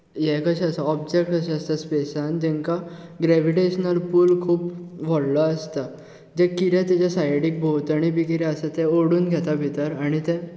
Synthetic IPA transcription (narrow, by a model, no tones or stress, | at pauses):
jɛkəɕəsəɔbd͡ʑek̚ʈəɕɛəst̪aspesãnd͡ʑɛ̃ŋkaɡɾɛʋiʈeɕnəlpuːlkʰuːpʋɔɽləəst̪a | d͡ʑɛkiɾɛ̃t̪at͡ɕasajɽik̚bʱowt̪aɽ̃ibʱikiɾɛ̃əsat̪ɛoɽuːnɡʱɛt̪abʱit̪əɾaɽ̃it̪ɛ̃